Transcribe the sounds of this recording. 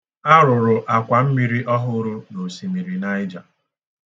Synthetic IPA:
a˦ɾʊ˨ɾʊ˨ʔa˨kʷa˨m̩˦mi˨ɾi˦ʔɔ˦ɦʊ˦ɾʊ˦no˨si˨mi˨ɾi˨na˦ɪ˦d͡ʒa˨

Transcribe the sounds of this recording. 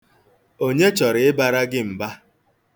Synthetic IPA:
o˦ɲe˦t͡ʃɔ˨ɾɪ˨ɪ˦ba˨ɾa˦ɡɪ˦m̩˨ba˦

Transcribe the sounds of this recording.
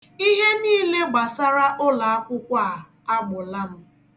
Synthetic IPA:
i˦ɦe˦niː˦le˦ɡ͡ba˨sa˦ɾa˦ʔʊ˦la˨a˦kʷʊ˦kʷa˦˨ | a˦ɡ͡bʊ˨la˦m̩˦

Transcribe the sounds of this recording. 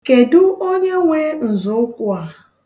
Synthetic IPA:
ke˨dʊ˦o˦ɲe˦ŋʷe˦n̩˨zʊ˨˦ʊ˦kʷʊ˦a˨

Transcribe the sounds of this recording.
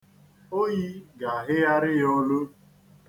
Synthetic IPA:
o˦ji˦ɡa˨a˨ɦɪ˦a˦ɾɪ˦jɔ˦lʊ˦

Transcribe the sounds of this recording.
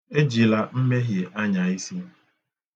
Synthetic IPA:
e˦d͡ʒi˨la˦m̩˦me˦ɦje˨ʔa˦ɲa˨i˦si˦

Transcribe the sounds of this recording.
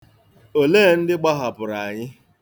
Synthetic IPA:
o˨leː˦˨n̩˦dɪ˦ɡ͡ba˦ɦa˨bʊ˨ɾa˨ɲɪ˦

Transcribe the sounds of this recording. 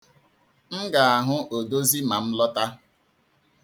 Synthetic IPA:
ŋ̩˦ɡa˨a˨ɦʊ˦o˨do˦zi˦ma˨m̩˦lɔ˦ta˦

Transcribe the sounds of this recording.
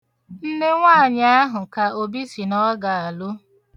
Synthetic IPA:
n̩˦ne˦ŋʷaː˦˨ɲ˦a˦ɦʊ˨ka˨o˨bi˦si˨nɔ˦ɡa˨a˨lʊ˦

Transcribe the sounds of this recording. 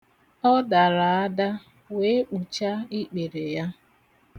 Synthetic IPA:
ɔ˦da˨ɾa˨a˦da˦ | we˦k͡pu˨t͡ʃa˦i˦k͡pe˨ɾe˨ja˦

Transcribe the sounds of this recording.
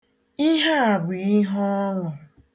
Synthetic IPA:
i˦ɦa˦a˨ɡ͡bʷi˨i˦ɦɔ˦ɔ˦ŋʷʊ˨

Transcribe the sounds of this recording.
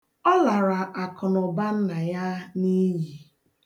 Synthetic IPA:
ɔ˦la˨ɾa˨ʔa˨kʊ˨nʊ˨ba˦n̩˦na˨ja˦ni˦ɦi˨

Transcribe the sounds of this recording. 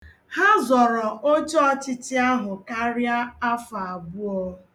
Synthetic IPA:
ha˦zɔ˨ɾɔ˨o˦t͡ʃɔ˦t͡ʃɪ˦tɪ˦a˦ɦʊ˨ka˦ɾja˦a˦fa˨a˨bʊ˦ɔ˦

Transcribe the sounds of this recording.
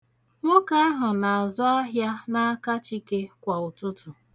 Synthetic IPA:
ŋʷʊ˦ka˦a˦ɦʊ˨na˨a˨zʊ˦a˦ɦja˦na˦a˦ka˦t͡ʃi˦ke˦kʷa˨ʊ˨tʊ˦tʊ˨

